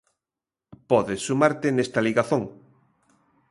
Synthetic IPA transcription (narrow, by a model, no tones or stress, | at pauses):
pɔðesːumaɾt̪enest̪aliɣaθoŋ